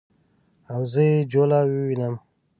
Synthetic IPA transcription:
awzəed͡ʑoːlaːwiwinəm

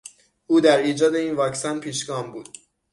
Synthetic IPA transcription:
ʔuːd̪æɾiːd͡ʒɒːd̪e̞iːnvɒːksænpʰiːʃɡɒːmbuːd̥̪

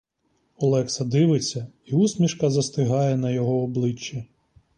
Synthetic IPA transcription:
ɔlˠɛksɐd̪ɪʋɪt͡sʲːɐ | iusmʲiʃkɐzɐst̪ɪɦɑjɛnɐjɔɦɔːblˠɪt͡ʃːɛ

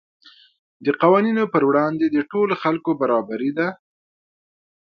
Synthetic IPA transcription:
d̪əqawɑninopəɾwɽɑnd̪ed̪əʈoloxalkobaɾɑbaɾid̪a

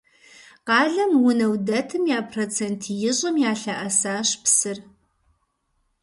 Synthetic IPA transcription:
qɑːɮɐmwʊnɐwdɐtʰɨmjaːpʰrot͡sʰeːntʰjɪɕʼɐmjaːɬɐʔɐsaːɕpsɨr

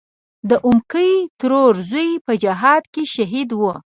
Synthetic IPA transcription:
d̪əʔumkəjt̪ɾoɾzujpəd͡ʒaɦɑd̪keʃaɦid̪wu

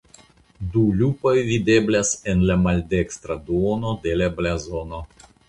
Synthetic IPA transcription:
dulupo̞jvide̞blase̞nlamalde̞kstɾaduono̞de̞lablazo̞no̞

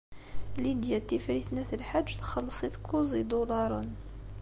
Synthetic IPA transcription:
lid̪jæt̪ːifɾiθnæθəlħaʒːt̪xəlːəsˤiθkːuzˤid̪ulɑɾˤən

